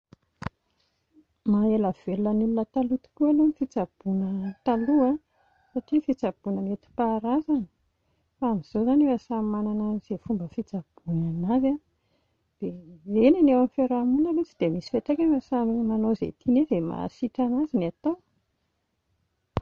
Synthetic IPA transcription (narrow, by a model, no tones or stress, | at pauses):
maelav̥elulənulunət̪alut̪u̥kʲualonifit͡sab̥unət̪alua | saʈ͡ʂifit͡sab̥unəmet̪i̥paɾazani | faamiz̥ozanewasamananəz̥efumbəfit͡sab̥unanaza | d̪̥eenanewamifeɾamunəlut͡sid̪̥emisi̥feʈ͡ʂakʲanasammanozḛt̪ʰinezema̰siʈ͡ʂanazinat̪ow